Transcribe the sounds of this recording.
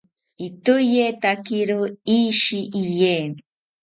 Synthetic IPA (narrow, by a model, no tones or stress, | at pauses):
it̪ʊjet̪akiɾoiʃiʔijen